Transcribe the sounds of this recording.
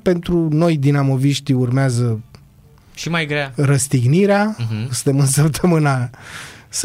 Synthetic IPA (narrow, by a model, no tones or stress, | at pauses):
pe̞nt̪ɾuno̞jd̪inamo̞viʃt̪iurmeazə | ʃimajɡɾearəst̪iɡniɾeasɨ̥t̪emɨnsəpt̪ʰəmɨna | s